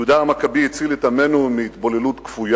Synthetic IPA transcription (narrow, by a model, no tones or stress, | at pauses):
ud̪aːmakabiit͡silet̪amenumiit̪bolelut̪kfuj